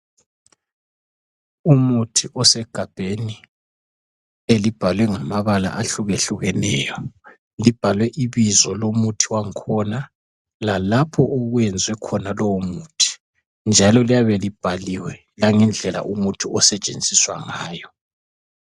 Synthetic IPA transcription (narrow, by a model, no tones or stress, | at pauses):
umutʰiʔɔsɛɡ̥ʱab̥ʱeni | elib̥ʱalwɛŋamaβala̰ʔaɬuɣeɬuɣɛnɛːjɔ | lib̥ʱalwɛʔiβizɔlomutʰiwaŋkʰɔna | lalapʰɔʔɔɣwɛnd͡zʱwɛkʰɔnalɔwomuːtʰi̥ | nd͡ʒʱalɔlijaβelib̥ʱaliwɛ | laŋɛnd͡ɮʱɛla̰ʔumutʰiɔsɛt͡ʃʼḛnd͡zʱiswa̰ŋaːjɔ